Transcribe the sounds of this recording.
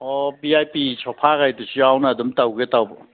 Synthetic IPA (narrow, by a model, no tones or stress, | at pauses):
ɔbiajpisʰɔpʰaɡajdusiawnadumtawɡetawbɔ̰